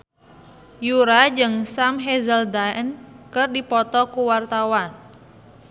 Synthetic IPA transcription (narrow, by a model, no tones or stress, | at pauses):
juɾad͡ʒɨŋsamɦɛzəldaənkɨrdipɔt̪ɔkuwart̪awan